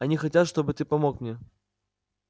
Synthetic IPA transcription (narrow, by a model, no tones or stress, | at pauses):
ɐnʲixat͡sʲat̪ʂt̪ɔbɨt̪ɨpamɔkmnʲɛ